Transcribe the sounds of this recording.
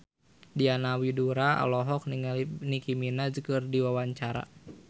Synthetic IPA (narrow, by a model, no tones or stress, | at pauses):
dianawiduɾaa̰lɔɦɔk̚nnikiminad͡ʒkɨrdiwawaɲt͡ʃaɾa̰